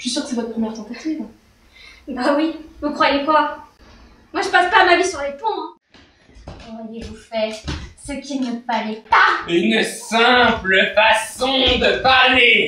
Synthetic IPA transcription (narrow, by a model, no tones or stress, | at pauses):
ʃɥisyʁkə̥sɛvɔt̪̚əpχəmjɛʁt̪ɑ̃t̪at̪iv | bawivukχwajekwa | mwaʒəpaspamavisyʁlepɔ̃ | ɔʁajevufɛsəkʲinəpalɛpaynsɛ̃pləfasɔ̃d̪əpaʁle